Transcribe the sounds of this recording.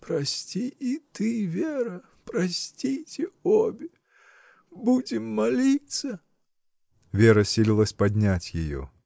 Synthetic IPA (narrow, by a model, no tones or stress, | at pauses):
pɾɐsʲtʲiit̪ɨvʲeɾɐ | pɾɐsʲtʲitʲɪobʲɪ | budʲɪmːɐlʲit̪sə | vʲeɾəsʲilʲilˠəsʲpɐdʲnʲatʲjɪjɔ̰